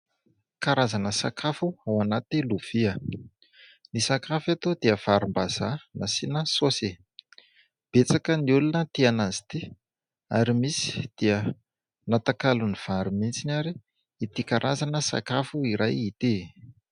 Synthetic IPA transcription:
kaɾazanəsa̰kʰafuawanat̪iluv̥iə | nisakafat̪od̪iəv̥aɾumbazanasinəsose | b̥et͡sakəniulunət̪ianazi̥t̪i | a̰ɾimisi̥d̪̥iə | nat̪akaluniv̥aɾumint͡sinaɾi | it̪ikaɾʔazanəsa̰kafuiɾajit̪i

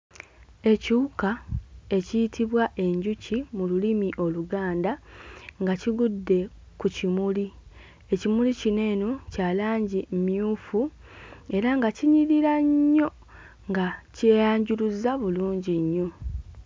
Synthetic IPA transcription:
e̞ciukae̞cijitiβwaʔe̞ɲɟucimululimiʔo̞luɡaːndaŋɡaciɡudːe̞ | kucimuli | e̞cimulicine̞ːnocalaːɲɟimmijuːfu | e̞ɾaŋɡaciɲiɾiɾaɲːo̞ | ŋɡaceːjaːɲɟuluzaβuluːɲɟiɲːo̞

